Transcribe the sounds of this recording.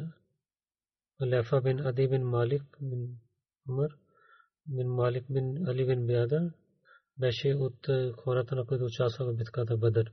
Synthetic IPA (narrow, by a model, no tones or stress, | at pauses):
ɐlɛːfabɪnɐd̪ibɪnmaːlɪkbɪn | ɐməɾ | bɪnmaːlɪk̚bɪnɐlibɪnbɪjaːd̪a | bɛːʃeːʊt̪ːkʰoːɾaːt̪anakoid̪ot͡ʃaːsabɐbɪt̪kaːt̪abɐd̪əɾ